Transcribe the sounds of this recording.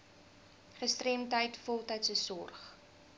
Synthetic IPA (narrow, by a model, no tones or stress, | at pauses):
χəstremtəjtfɔlˠtəjtsəsɔrχ